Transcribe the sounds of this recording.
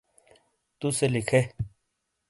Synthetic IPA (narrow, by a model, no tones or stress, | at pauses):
t̪uselɪkʰeː